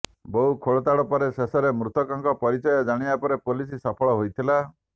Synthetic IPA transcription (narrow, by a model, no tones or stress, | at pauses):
boɦukʰoɭɔt̪aɽɔpɔɾesesɔɾemɾut̪ɔkɔŋkɔpɔɾit͡ʃɔjɔd͡ʒaɽ̃ibapɔɾepolisisɔpʰɔɭɔɦojt̪ʰila